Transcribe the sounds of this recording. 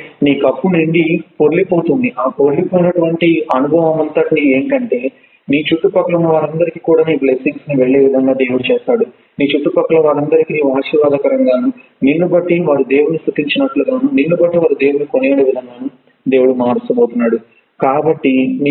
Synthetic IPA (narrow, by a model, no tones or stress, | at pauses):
niːkɐpːuniɳɖipoɾlipo̞ːt̪und̪iʔaːpo̞ɾlipo̞ːjinɐʈuʋɐɳʈiɐnubʱɐʋɐmɐnt̪ɐʈnieːŋkɐɳʈe̞ː | niːt͡ʃuʈːupɐkːɐɭɐmuʋaːɾɐnd̪ɐɾikikuːɽaːniːplesiŋksniʋeɭːeːʋid̪ʱɐŋɡaːd̪eːwuɽut͡ʃɛːst̪aːɽu | niːt͡ʃuʈːupɐkːɐɭɐʋaːɾɐnd̪ɐɾikiniːʋaːʃiʋaːd̪ɐkɐɾɐŋɡaːnunilːubɐʈːiʋaːɾud̪e̞ːwuɽnust̪ut̪iɲt͡ʃinɐʈluɡaːnuninːubɐʈːiʋaːɾud̪e̞ːwuɽukonieːɽiʋid̪ʱɐŋɡaːnu | d̪e̞ːwuɽumaːɾust̪ɐboːt̪unːaːɽu | kaːbɐʈːin